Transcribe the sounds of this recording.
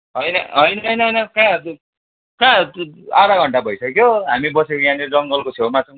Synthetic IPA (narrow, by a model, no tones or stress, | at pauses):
ɦʌjnʌɦʌjnʌɦʌjnʌɦʌjnʌkã | kãaɾaɡʱʌɳʈabʱʌjsʌkjoɦamibʌsekojãned͡zʌŋɡʌlkot͡sʰewmat͡sʰʌw̃